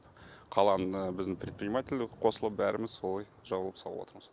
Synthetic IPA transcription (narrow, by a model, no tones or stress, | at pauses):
qʰɑlˠɑnəəbɪzd̪ɪŋpɾʲet̪prʲɪjmatʲɪlʲd̪ɪkqʰo̞səlˠəp̚bæɾɪmɪzso̞lˠɑj | ʒɑbəlˠəpsɑlˠəwo̰t̪əɾməz̥